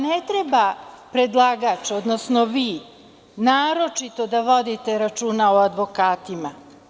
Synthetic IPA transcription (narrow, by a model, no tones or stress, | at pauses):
net̪ɾeba | pɾed̪lˠaɡat͡ʃod̪nosnoʋiː | naːɾo̞t͡ʃit̪o̞d̪aʋo̞d̪it̪e̞ɾat͡ʃuːnaoad̪ʋo̞kaːt̪ima